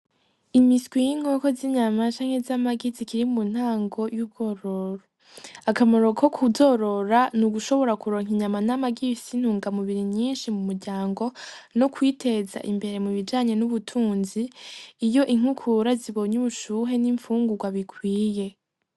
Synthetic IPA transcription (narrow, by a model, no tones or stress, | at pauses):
imisɡwijiŋ̥oko̞ziɲamat͡ʃaːŋhe̞zamaɡizikiɾimun̥haːŋɡo̞jub̚ɡo̞ɾoɾo | akamoɾo̞kʰokʰuzo̞ɾo̞ɾanuɡuʃo̞βo̞ɾakuɾo̞ːŋhiɲamanamaɡisin̥huːŋɡamuβiɾiɲiːnʃimumuɾɟaːŋɡo̞nokwiːte̞za̰ʔimbe̞ɾe̞muβid͡ʒaːɲe̞nuβutʰuːnziːjo̞ʔiŋ̥ukʰuɾaziβo̞ɲuβuʃuːɦe̞niːɱfuːŋɡuɡwaβikʰwiːje̞